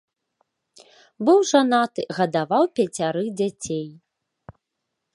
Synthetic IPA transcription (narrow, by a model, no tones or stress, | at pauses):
bɨwʐanat̪ɨɣɐd̪avawpʲɛt͡sʲaɾɨd͡zʲat͡sʲej